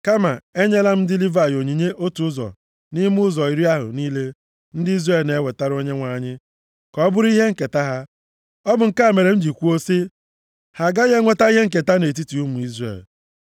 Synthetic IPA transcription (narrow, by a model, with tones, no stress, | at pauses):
ka˦ma̰˨e˦ɲe˦la˦m̩˦dɪ˦li˦va˨jo˨ɲi˨ɲe˦ʔo˦tu˨ʊ˦zɔ̰˨ | ni˦m˦ʊ˦zɔ˨i˨ɾi˦a˦ɦʊ̰˨niː˦le˦ | n̩˦dɪ˦i˦zre˦˨lne˦we˨ta˦ɾo˦ɲe˦ŋʷa˨ɲɪ˦ | kɔ˨˦bʊ˦ɾi˦ɦe˦ŋ̩˨ke˨ta˦ɦa˦ | ɔ˦bʊ˨ŋ̩˨ka˦e˨me˨ɾe˨n̩˦d͡ʒi˨kʷu˦o˦si˦ | ha˨ɡa˦ɲe˦ŋʷe˦ta˦i˦ɦe˦ŋ̩˦˨ke˨ta˦ne˨t̬i˦ti˨u˦mu˨i˦zrḛ˨l